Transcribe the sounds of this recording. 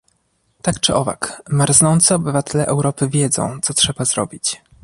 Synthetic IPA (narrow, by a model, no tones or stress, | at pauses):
t̪akt͡ʂɘʔɔva̰kmaɾznɔnt̪sɘɔbɘvat̪ɛlɛʔɛwɾɔpɘvʲjɛd̪zɔ̰̃w̃t̪sɔtʂɛbaz̥ɾɔ̰bʲit͡ɕ